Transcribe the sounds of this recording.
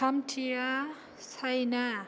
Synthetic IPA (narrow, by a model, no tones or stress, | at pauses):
amtʰiɾa | sajna